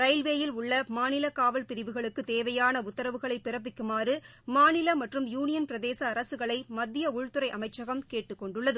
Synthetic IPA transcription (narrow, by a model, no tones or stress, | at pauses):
ɾɐɪlʋeːjɪlʊɭːɐmaːnɪlɐkaːʋɐlpɪɾɪʋɯɣɐɭɯkːɯt̪eːʋɐjaːnɐʊt̪ːɐɾɐʋɯɣɐɭɐɪpːɪɾɐp̬ːɪkːɯmaːrɯ | maːnɪlɐmɐʈrɯmjuːnɪjɐnpɪɾɐðeːsɐːɾɐsɯɣɐɭɐɪmɐd̪ːɪjɐʊɻt̪ɯɾɐɪʔɐmɐɪt͡ʃːɐɣɐmkeːʈːɯkːɔɳɖɯɭːɐðɯ